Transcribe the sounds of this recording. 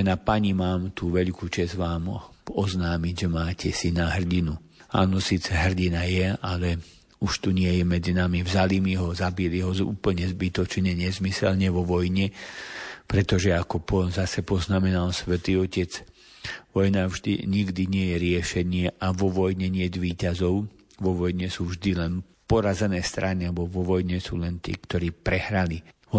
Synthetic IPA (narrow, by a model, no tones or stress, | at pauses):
napaɲimaːmt̪uːʋɛʎkuːt͡ʃɛzʋaːmɔznaːmiɟʒɛmaːcʰɛsinaɦr̩ɟinu | a̰ːnɔsiːt͡sɛɦr̩ɟinajɛalɛ | uʃt̪uɲɪɛjɛmɛd͡zinamivzaliːmiɦɔzabiliɦɔzṵːpl̩ɲɛzbit̪ɔt͡ʃɲɛɲɛzmisɛlɲɛʋɔʋɔjɲɛ | pɾɛt̪ɔʒɛakɔpɔzasɛpɔznamɛnalsʋɛt̪iːɔcɛd͡z | ʋɔjnavʒd̪iɲiɡd̪iɲɪɛjɛɾɪɛʃɛɲɪɛʔaʋɔʋɔjɲɛɲɪɛd͡zʋiːcazɔʊ | ʋɔʋɔjɲɛsuːvʒd̪ilɛn | pɔɾazɛnɛːst̪ɾaniabɔʋɔʋɔjɲɛsṵːlɛnt̪ḭːkt̪ɔɾiːpɾɛhɾalihɔ